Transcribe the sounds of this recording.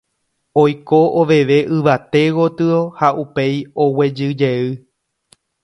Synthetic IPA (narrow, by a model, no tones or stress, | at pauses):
ojkoʔoʋe̞ʋe̞ʔɨʋat̪e̞ɣo̞t̪ɨo̞haʔupe̞jowe̞d͡ʒɨd͡ʒe̞ɨ